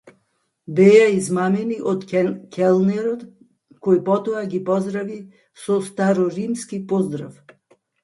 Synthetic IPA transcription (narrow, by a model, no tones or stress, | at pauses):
bɛjaizmamɛniʔot̪kʰɛlˠnɛɾɔt̪ | kɔjpɔt̪ɔaɡipɔzd̪ɾavi | sɔst̪aɾɔɾimskipɔzd̪ɾa̰f